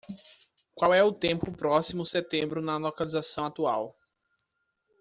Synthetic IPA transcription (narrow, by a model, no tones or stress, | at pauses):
kwawɛʊt̪ẽpʊpɾɔsimʊset̪ẽmbɾʊnɐlokalizasɐ̃w̃at̪uaw